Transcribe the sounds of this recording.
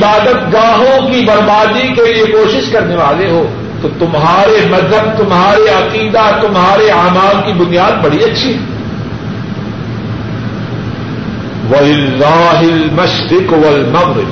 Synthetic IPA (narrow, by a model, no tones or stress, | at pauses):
ɪbaːd̪ət̪ɡaːɦõkibɐɾbaːd̪ikeliekoːʃɪʃkɐɾneʋaːleɦoː | t̪ot̪ʊmɦaːɾemɐzɦəb̚t̪ʊmɦaːɾeɐqiːd̪at̪ʊmɦaːɾeaːmaːlkibʊnijaːd̪̚bɐɽiɐtːʃʰiɦɛ | ʋɐlɪlːaːɦɪlmɐʃɾɪqwɐlmɐɣɾɪ̰b̪